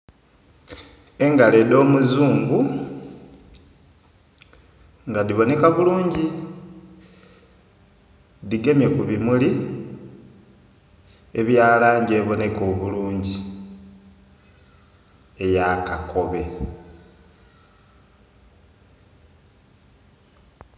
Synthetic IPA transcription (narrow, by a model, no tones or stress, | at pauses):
e̞ŋɡale̞do̞ːmuzuːŋɡu | ŋɡadiβo̞ne̞kaβuluːɲɟi | diɡe̞mjekuβimuli | eβjaːlaːɲɟe̞ːβo̞ne̞ko̞βuluːɲɟi | ejakako̞βe̞